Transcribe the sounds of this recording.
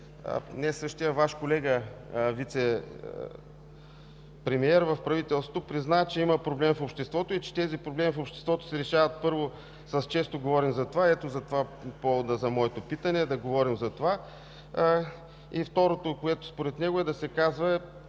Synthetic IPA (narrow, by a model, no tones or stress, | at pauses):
nɛsɤʃt̪ijəvaʃkolɛɡəvit̪sɛ | pɾɛmiɛɾvɐfpɾɐvit̪ɛlˠsot̪opɾiznaɛt͡ʃɛimɐpɾoblɛmfopʃt̪ɛst̪vɔt̪oit͡ʃɛ̥t̪ɛzipɾoblɛmifopʃt̪ɛ̥st̪vɔt̪o̥sɛɾɛʃavɐt̪̚pɤɾvo | sɐst͡ʃɛst̪oɡovɔɾimzɐt̪ovaɛt̪ozɐt̪ovapɔvod̪əzɐmɔɛt̪opit̪ənɛd̪ɐɡovɔɾimzɐt̪ova | ift̪ɔɾot̪okoɛt̪o̥spoɾɛt̪nɛɡoɛd̪ɐsɛkazvɐɛ